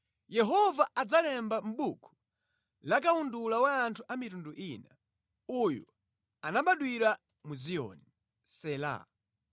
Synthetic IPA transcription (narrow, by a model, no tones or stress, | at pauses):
jɛɦɔvaʔad͡zalɛmbam̩ɓukʰu̥ | lak̬aundulawaːntʰuʔamitunduʔina | ujṵ | anaɓaɗwiɾa | muziɔ̰ni | sɛla̰